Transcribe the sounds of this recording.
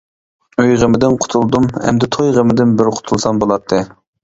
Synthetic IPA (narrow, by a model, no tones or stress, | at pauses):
øjʁəmɪd̪ɪnqʰʊ̥t̪ʰulˠd̪umhɛ̰md̪ɪt̪ʰojʁəmɪd̪ɪnbɪɾqʰʊ̥t̪ʰulˠsɑmbolˠɑt̪ʰːɨ